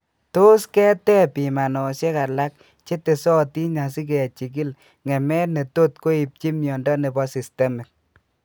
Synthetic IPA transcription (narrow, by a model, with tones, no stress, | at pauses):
to˦skɛ˦tɛ˦pi˨ma˨nɔ˨se˦ka˨la˦k̚ | t͡ʃe˦te˨sɔ˦ti˦ɲa˨si˦k̬ɛ˨t͡ʃi˨k̬i˦l | ŋɛ˨mɛ˦ne˨to˦tko˦i˨p̚t͡ʃi˦mjɔ˨ndɔ˦ne˨bɔ˦si˨stɛ˦mɛ˨k̚